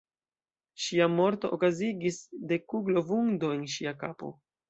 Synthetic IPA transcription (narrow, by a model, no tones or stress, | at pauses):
ʃiamo̞ɾto̞ʔokaziɡisde̞kuɡlo̞vuŋdo̞e̞nʃiakapo̞̰